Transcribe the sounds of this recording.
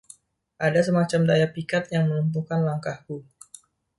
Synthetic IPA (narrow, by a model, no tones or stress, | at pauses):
ʔadas̬əmat͡ʃamdajapikat̪̚jaŋmənumt̪ukanlaŋkahku